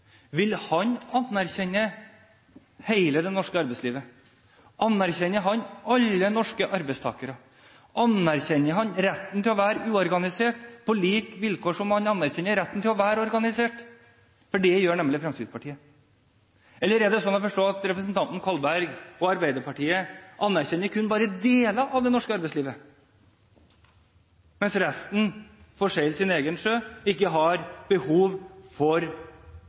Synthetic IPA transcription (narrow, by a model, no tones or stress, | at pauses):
ʋɪlhɑɲɑnæɾçɛɲːə | heɪləd̪ɛnɔʂkəɑɾbɛɪsliːʋə | ʔɑnæɾçɛnːəɦɑnɑlːənɔʂkəʔɑɾbɛɪst̪ʰɑ̰ːkəɾə | ʔɑnæɾçɛnːəɦɑnɾɛt̪ːnt̪ʰɪlɔʋæːɾəʉːɔɾɡɑnɪseːʈpʰɔliːkʋɪlkʰoːʂɔmhɑnɑnːæɾçɛnːəɾɛt̪ːənt̪ʰɪlɔʋæːɾəɔɾɡɑnɪseːʈ | fɔɖɛjøːɳɛmlɪfɾɛmskɾɪd̪spʰɑʈʰiːə | ɛlːəɾɛɖ̪ɛsɔnːɔfɔʂʈoːɑt̪ɾɛpɾəs̬nt̪ʰɑnt̪n̩kʰɑlbæɾɡɔɑɾbæɪd̪əɾpʰɑʈiːəʔɑnːæɾçɛnːəɾkʰʉnːbɑːɾəd̪eːlɑʔɑʋd̪ɛnɔʂkəɑɾbɛɪsliːʋə | mɛnsɾɛst̪n̩fɔʂeɪlsɪneːɡənʂøːɪkːəɦɑɾb̥əhuːʋfɔɾ